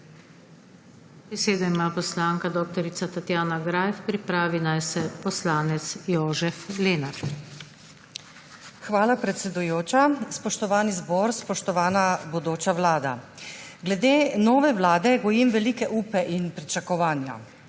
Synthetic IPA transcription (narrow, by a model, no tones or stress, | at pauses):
bɛseːd̪ɔimaːpɔslaːŋkad̪oːk̚t̪ɔɾit̪sat̪at̪jaːnaɡɾaːjfpɾipɾaːʋinajsɛpɔslaːnɛt̪sjoːʒɛfleːnaɾd̪ | xʋaːlapɾɛt̪sɛd̪ujoːt͡ʃaspɔʃt̪ɔʋaːnizbɔːɾspɔʃt̪ɔʋaːnabɔd̪oːt͡ʃawlaːd̪a̰ɡlɛd̪eːnɔːʋɛʋlaːd̪ɛɡɔjimʋɛlikɛʔuːpɛʔinpɾit͡ʃakɔʋaːnja̰